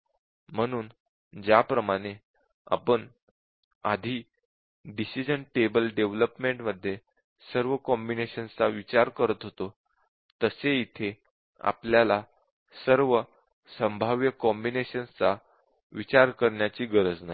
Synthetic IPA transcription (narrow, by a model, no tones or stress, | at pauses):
m̤əɽ̃uːn | d͡ʑjapɾəmaɽ̃e | a̰pəɳ | ad̪ʱiː | ɖisid͡ʑəɳʈebəlɖeʋləpmeɳʈməd̪ʱːje | səɾʋəkɔmbineɕənt͡saʋit͡ɕaɾkəɾət̪ɦot̪o | t̪əseit̪ʰe | a̰pljala | səɾʋə | səmbʱaʋjəkɔmbineɕənt͡sa | ʋit͡ɕaɾkəɾɳjat͡ɕiːɡəɾəd͡znaj